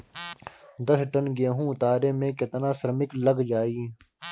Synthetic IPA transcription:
d̪ɐsʈɐnɡeːɦũːʊt̪aːɾeːmẽːkɐt̪nãːsɾmɪklɐɡd͡ʒaːiː

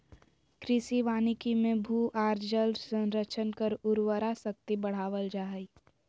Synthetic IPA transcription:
kɾɪsiʋaːnikimẽbʱuːʔaːɾd͡ʒəlsə̃nɾət͡ʃʰənkəɾʊɾwəɾasək̚t̪ibɐɽ̤aːʋəld͡ʒaːɦi

